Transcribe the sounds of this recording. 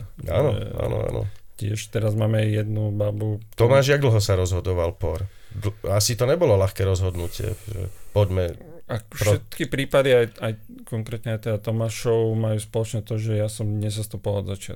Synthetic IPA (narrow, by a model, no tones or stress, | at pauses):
a̰ːnɔ̰a̰ːnɔ̰a̰nɔ̰cɪɛʃt̪ɛɾazmaːmɛjjɛd̪nubabut̪ɔmaːʒjaɡd̪l̩ɦɔsaɾɔzɦɔd̪ɔʋalpɔɾd̪asit̪ɔɲɛbɔlɔlaxkɛːɾɔzɦɔd̪nucɪɛ̰ʒɛ̰pɔɟmɛ | afpʃɾɛt̪kipɾiːpad̪iajaj | kɔŋkɾɛːt̪ɲɛajt̪ɛd̪at̪ɔmaːʃɔʊmajuːspɔlɔt͡ʃɲɛt̪ɔʒɛjasɔmɲɛzast̪upilaɔd̪zat͡ʃɪa̰t̪